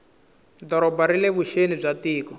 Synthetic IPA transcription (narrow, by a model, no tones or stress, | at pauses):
dɔɾɔbaɾileβuʃenib͡ʐatiːkɔ